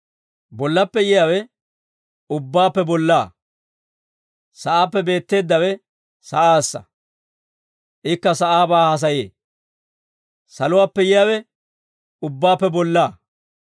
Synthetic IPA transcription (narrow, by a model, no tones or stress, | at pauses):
bɔlːɐpːɛjɪjawɛ | ʊbːaːpːɛbɔlːaː | sɐʔaːpːɛbe̞ːt̪ːe̞ːd̪ːɐwɛ | sɐʔaːsːɐ̰ | ʔɪkːɐsɐʔaːbaːhɐs̬ɐjḛː | sɐlʊwaːpːɛjɪjawɛ | ʊbːaːpːɛbɔlːaː